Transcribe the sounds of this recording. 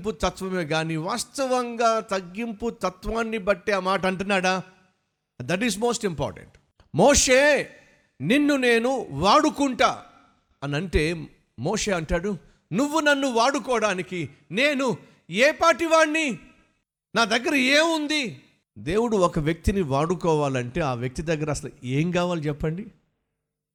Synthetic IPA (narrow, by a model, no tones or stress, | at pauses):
p̬ut̪ɐt̪ʋɐmeːɡaːniʋaːst̪ɐʋɐŋɡaːt̪ɐɡːimput̪ɐt̪ʋaːnːibɐʈːeɐmaːʈɐɳʈunːaːɽaː | d̪ɐʈ̬izmo̞ːsʈimpa̰ːɾʈḛɳʈ | moːʂeː | ninːune̞ːnuʋaːɽukuɳʈaː | ɐnɐɳʈe̞ː | moːʂe̞ːɐɳʈaːɽu | nuʋːunɐnːuʋaːɽukɔːɽaːniki | ne̞ːnu | eːpaːʈiʋaːɳːi | naːd̪ɐɡːɐɾɐeːund̪i | d̪e̞ːwuɽuɔkɐʋjɐk̚t̪iniʋaːɽukɔːʋaːlɐɳʈe̞ːaːʋjɐk̚t̪id̪ɐɡːɐɾɐsɐlɐeːŋkaːʋaːlit͡ʃɛpːɐɳɖi